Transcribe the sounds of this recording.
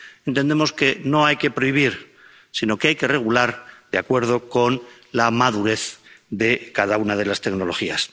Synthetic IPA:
e̞nt̪e̞nd̪e̞mo̞ske̞no̞ajke̞pɾo̞iβ̞iɾ | sino̞keajke̞re̞ɣ̞ulaɾd̪eakwe̞ɾð̞o̞ko̞n | lamaðuɾe̞θðe̞kaðaunað̞e̞last̪e̞kno̞lo̞xias

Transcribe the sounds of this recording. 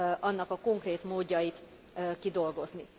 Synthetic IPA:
ʔɒnːɒkɒko̞ŋkreːt̪moːɟːɒjit̪ | kid̪o̞lɡo̞zni

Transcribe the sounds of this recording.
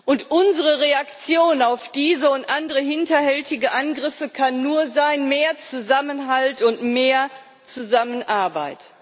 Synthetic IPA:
ʔʊntʔʊnzəʁəʁeakt͡sjoːnaʊfd̥iːzəʊntʔandəʁəɦɪntɐhɛltɪɡəʔanɡʁɪfəkʰanːuːɐzaɪnmeːɐt͡suzamənɦaltʊntmeːɐ | t͡suzamənʔaɐbaɪt

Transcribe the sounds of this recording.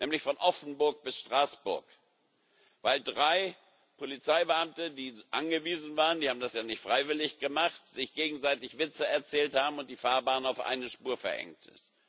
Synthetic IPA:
nɛːmlɪçfɔnʔɔfn̩bʊɐk̚b̥ɪsʃtʁ̥aːsb̥ʊ̰ɐk | vaɪldʁaɪ | pʰolit͡saɪbəamtədiːʔanɡəviːzn̩vaːʁəndiːhaːbm̩dasjaːnɪçtfʁ̥aɪvɪlɪçɡ̥əmaχtz̥ɪçɡ̥eːɡŋ̩zaɪtɪçv̥ɪt͡səɛɐt͡sɛːlthaːbm̩ʊnt̚d̥iːfaːɐbaːnaʊfʔa̰ɪnəʃpuːɐfɛɐʔɛ̰ŋktɪ̰st

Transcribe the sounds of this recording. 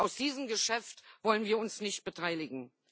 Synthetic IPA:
ʔaʊsd̥iːzəmɡəʃɛftv̥ɔlənviːɐʊnsnɪçt̚b̥ətʰaɪlɪɡŋ̩

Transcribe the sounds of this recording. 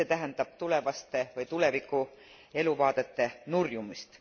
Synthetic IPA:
eːt̪æɦænd̪̥ɑb̥̚t̪ule̞vɑst̪e̞vɤjt̪ule̞vikːˑu | e̞luvɑːd̪̥e̞t̪ːe̞nurjumist̪

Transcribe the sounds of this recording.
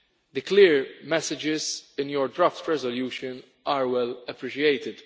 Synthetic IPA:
d̪əklɪːɾmɛsɪd͡ʒɪzɪ̃njɔɾdɾaːft̪ɹɛzɔljuːʃə̃n | ʔaːɾwɛlɐpɾɪʃiejt̪ɪd̪

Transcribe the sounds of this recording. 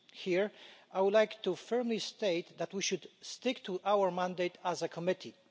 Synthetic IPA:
hiɹʔajwʊdlajkt̪ufɜɹmlist̪eɪt̪ðæt̪wiʃudst̪ɪkt̪ʰuʔawəɹmãnd̪eɪtʰæzəkʰɔmɪtʰi

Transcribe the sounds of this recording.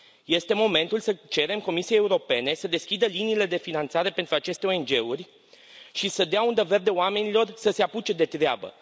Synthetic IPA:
je̞st̪e̞mo̞me̞nt̪ulsət͡ʃe̞ɾe̞mko̞misijejːeuɾo̞pe̞ne̞səd̪e̞skʲid̪əliniːle̞d̪e̞finant̪saɾe̞pe̞nt̪ɾuat͡ʃe̞st̪eo̞e̞nd͡ʒe̞urʲ | ʃisəd̪eaund̪əve̞rd̪e̞oame̞nilo̞rsəse̞aput͡ʃe̞d̪e̞t̪ɾea̰bə̰

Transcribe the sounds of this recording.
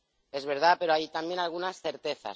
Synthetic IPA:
e̞zβe̞ɾð̞ape̞ɾo̞ajt̪ambje̞nalɣ̞unasθe̞ɾt̪e̞θa̰

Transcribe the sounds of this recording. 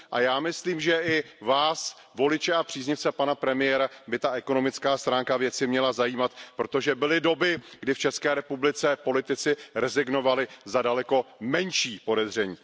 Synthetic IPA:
ʔa̰jaːmɪsliːmʒɛʔɪ | vaːs | vo̞lɪt͡ʃɛapr̥iːzɲɪft͡sɛpanapɾɛmɪjɛɾabɪt̪aʔɛko̞no̞mɪt͡skaːst̪ɾaːŋkavjɛt͡sɪmɲɛlazajiːmat̪pɾo̞t̪o̞ʒɛbɪlɪdo̞bɪɡdɪft͡ʃɛskɛːɾɛpublɪt͡sɛpo̞lɪt̪ɪt͡sɪɾɛzɪɡno̞valɪzadalɛko̞mɛnʃiːpo̞dɛzr̝ɛɲiː

